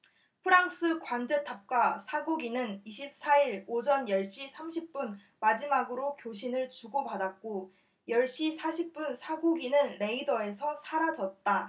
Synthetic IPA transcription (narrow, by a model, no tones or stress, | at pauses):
pʰɯɾaŋs͈ʰɯkwand͡ʑe̞tʰap̚k͈wasʰaɡoɡinɯniɕʰip̚s͈aiɾod͡ʑʌnjʌɭɕ͈isʰamɕʰip̚p͈un | mad͡ʑimaɡɯɾokjoɕ̬ʰinɯɭt͡ɕuɡopadat̚k͈o | jʌɭɕ͈isʰaɕʰip̚p͈unsʰaɡoɡinɯnɾe̞idʌe̞sʰʌsʰaɾad͡ʑʌt̚t͈a